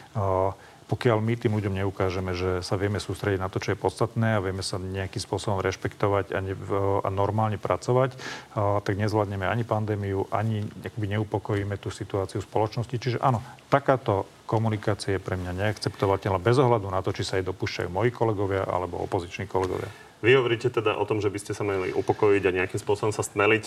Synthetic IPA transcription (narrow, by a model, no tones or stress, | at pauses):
pɔkɪalmit̪iːmluɟɔmɲɛukaːʒɛmɛʒɛsaʋɪɛmɛsuːst̪ɾɛɟiɟnat̪ɔt͡ʃɔjɛpɔt̪st̪at̪nɛːaʋɪɛmɛsaɲɛakimspʊɔsɔbɔmɾɛʃpɛkt̪ɔʋaca̰ɲɛa̰nɔɾmaːlɲɛpɾʔat͡sɔʋact̪aɡɲɛzʋlad̪ɲɛmɛaɲipand̪ɛːmiuʔaɲiakɔbiɲɛupɔkɔjiːmɛt̪uːsit̪uaːt͡siuspɔlɔt͡ʃnɔscit͡ʃiʒɛʔanɔt̪akaːt̪ɔ | kɔmunikaːt͡siajɛpɾɛmɲaɲɛakt͡sɛpt̪ɔʋacɛlnabɛzɔɦlad̪unat̪ɔt͡ʃisaajd̪ɔpuːʃt͡ʃa̰jṵːmɔjiːkɔlɛɡɔʋɪaʔa̰lɛbɔ̰ɔ̰pɔzit͡ʃniːkɔlɛɡɔ̰ʋɪa̰ | ʋiɦɔʋɔɾiːcɛt̪ɛd̪aʔɔt̪ɔmʒɛbiscɛsamaɛlḭʔupɔkɔjiɟaɲɛakimspʊɔsɔbɔmsasmɛlic